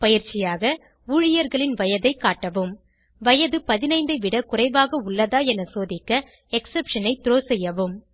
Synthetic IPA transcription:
pɐjɪɾt͡ʃɪjaːɣɐ | uːɻɪjɐɾɣɐɭɪnʋɐjɐðɐɪkːaːʈːɐʋɯm | ʋɐjɐðɯpɐðɪnɐɪnd̪ɐɪʋɪɽɐkʊrɐɪʋaːɣɐʊɭːɐðaːɛnɐsoːðɪkːɐ | ɛksɛpʂɐnɐɪt̪ɪɾoːsɛjːɐʋɯm

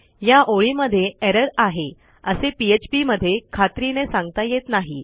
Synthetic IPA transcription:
jaʔoɭiməd̪ʱːjeeɾəɾaɦe | əsepiet͡ɕpiməd̪ʱːjekʰat̪ɾinesãŋɡt̪ajet̪naɦi

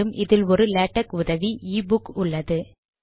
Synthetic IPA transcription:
ɯmʔɪðɪlɔɾɯleːʈːɐkʊðɐʋiiːbʊkʊɭːɐðɯ

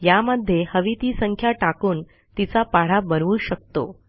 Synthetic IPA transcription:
jaməd̪ʱːjehəʋit̪iːsəŋkʰjaʈakuːn | t̪it͡sapaɽ̤abənʋuːɕək̚t̪o̰

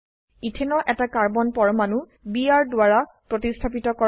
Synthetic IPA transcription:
itʰenɔʔɛtakaɹbɔnpɔɹmanu | biaɹdwaɹapɹɔtistʰapitɔkɔ

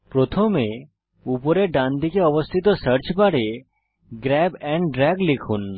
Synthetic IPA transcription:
pɾot̪ʰomẽ | upoɾeɖãnd̪ikeɔʋəst̪ʰit̪ɔsəɾt͡ʃbaɽe | ɡɾɛbɛ̃ɳɖɖɾɛɡlɪkʰun

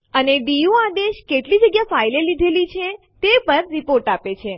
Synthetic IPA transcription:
əneɖijuad̪eʃkeʈlid͡ʒəɡjafailelid̪ʱelit͡ʃʰe | t̪epəɾɾipoɾʈapet͡ʃʰe

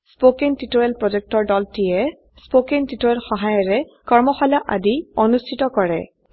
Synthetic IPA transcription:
spokintitoɹɛlpɹɔd͡ʒɛk̚tɔɹdɔltijɛ | spokentitoɹɛlxɔɦajɔɹɛ | kɔɹmɔxalaʔa̰diɔnustʰitɔkɔɹɛ̰

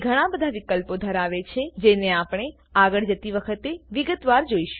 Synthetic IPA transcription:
ɡʱəɽ̃ãbəd̪ʱaʋɪkəlpod̪ʱəɾaʋet͡ʃʰed͡ʒeneapɽ̃e | aɡəɭd͡ʒət̪iʋəkʰət̪eʋɪɡət̪ʋaɾd͡ʒoiʃũ̥

